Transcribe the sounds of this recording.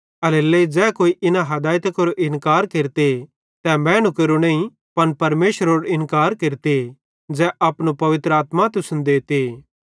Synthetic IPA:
ɐlelːeid͡ʒɛːkoːiʔɪnãɦɐd̪aːjt̪koɾoʔɪnkaːɾkeːɾt̪e | t̪ɛmɛ̃ːñukɐɾunɐ̃ĩ | pɐnpɐɾmeːʃəɾoːɽɪnkaːɾkeɾt̪e | d͡ʒɛːʔɐpnupɐʋɪt̪ɾəaːt̪mat̪ʊsʊnd̪eːt̪e

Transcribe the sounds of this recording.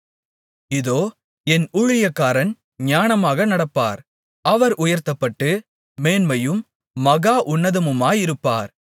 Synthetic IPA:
ɪðoː | ɛnʊɻɪjɐkːaːɾɐn | ɲaːɳɐmaːɣɐnɐɽɐpːaːɾ | ʔɐʋɐɾʔʊjɐɾt̪ɐpːɐʈːɯ | meːnmɐjɯmː | ɐɣaːʔʊnːɐðɐmɯmaːjɪɾɯpːa̰ːɾ

